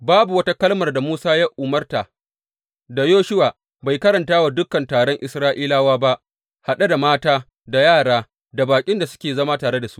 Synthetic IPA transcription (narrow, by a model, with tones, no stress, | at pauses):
baː˦bu˨wɐ˦ta˦kɐ˦lmɐ˨rda˨muː˦saː˦ja˦ʔʊ˨mɐ˦rta˨ | da˨joː˦ʃʊ˦waː˨ | ba˨jkɐ˦ɾɐ˨ntaː˦wa˨dʊ˦kːɐ˨ntaː˨ɽɔ˦ŋʔɪ˨sɾaː˦ʔiː˦laː˦waː˦ba˦ʔ | ha˨ɗa˦da˨maː˦taː˦ | da˨jaː˦˨ɽaː˦ | da˨baː˨kʲʼɪ˦nda˨sʊ̥˦kʲeː˨zɐ˦maː˦taː˨ɾe˦da˨su̥˦